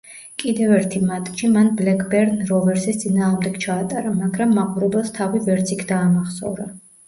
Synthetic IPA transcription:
kʼid̪ɛvɛɾt̪ʰimat̪ʼʃimanblɛkʰʼbɛɾnɾɔvɛɾsɛst̪sʼinaːʁmd̪ɛɡ̥t͡ʃʰaːt̪ʼaɾamaɡɾamːaqʼuɾɛbɛlˠst̪ʰavivɛɾt̪sʰikʰd̪aːmaχsɔ̰vɾa

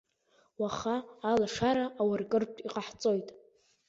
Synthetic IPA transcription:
waχaːlaʂaɾaʔːwarkʼɨrtʷʰʼiqʼaħt͡sʼo̞jtʼ

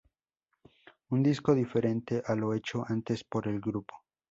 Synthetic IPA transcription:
und̪isko̞ðife̞ɾe̞nt̪e̞ʔalo̞e̞t͡ʃo̞ant̪e̞spo̞ɾe̞lɡɾupo̥

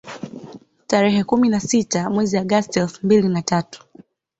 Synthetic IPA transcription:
taɾɛɦɛkuminasitamwɛziaɠastiɛlfumbilinatatu̥

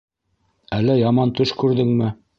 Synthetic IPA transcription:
ælːæjɑmɑnt̪ɵʃkʉɾðɘŋmɘ

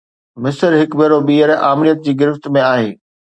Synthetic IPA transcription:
mɪsəɾɦɪkbeːɾobiːəɾaːmɪɾijət̪̚d͡ʑiːɡɪɾɪft̪mẽaːɦḛː

